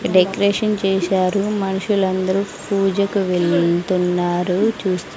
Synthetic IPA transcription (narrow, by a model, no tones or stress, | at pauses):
ɖekɐɾeːʃɐnt͡ʃɛːʃaːɾumɐnuʂulɐnd̪ɐɾupuːd͡ʒɐkuʋeɭt̪unːaːɾut͡ʃuːst̪u